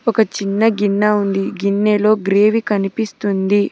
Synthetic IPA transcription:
ɔkɐt͡ʃinːɐɡinːaund̪iɡinːeːlo̞ːɡɾe̞ːʋikɐnipist̪und̪i

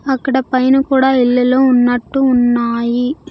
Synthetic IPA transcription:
ɐkːɐɽɐpɐjnukuːɽaːiɭːɐloːunːɐʈːuːnːaːji

